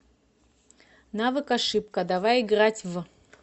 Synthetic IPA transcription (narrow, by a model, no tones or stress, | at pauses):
navɨkaʂɨp̚kɐd̪avajɪɡɾatʲv